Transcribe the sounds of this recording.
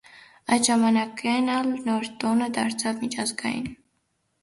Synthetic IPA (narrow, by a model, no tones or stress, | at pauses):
ɑjt̪ʒɑmɑnɑkɛnɑlnɔɾt̪ɔnəd̪ɑɾt͡sʰɑvmit͡ʃʰɑzɡɑ̰jḭn